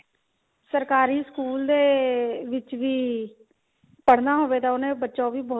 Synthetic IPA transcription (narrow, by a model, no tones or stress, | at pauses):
səɾkaːɾiːskuːld̪eːʋɪt͡ʃʋiː | pəɽnaːɦoːʋeːt̪aːʊnẽːbətːʃãːbiːbɔː